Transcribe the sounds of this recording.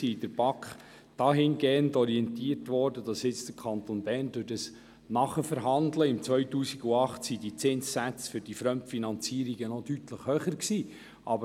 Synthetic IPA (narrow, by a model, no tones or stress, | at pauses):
id̥əɾb̥ɑkχ | d̥ɑːɦɪnɡeːəndɔɾiɛntiːərtʋɔɾdəd̥ɑsɪt͡sd̥əɾkʰɑntonbɛrndødəs | nɑχəfəɾɦɑndləɪmt͡sʋœʏtuːsiɡuɑχtsidit͡sɪnssæt͡sfʏɾd̥ifɾœmtfinɑnt͡siːəɾiɡ̥ənɔd̥ytləχhœːχəɾksiː | ʔɑbə